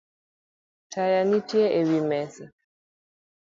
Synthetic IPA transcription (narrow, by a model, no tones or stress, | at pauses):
tʰajanitjeewimɛsɛ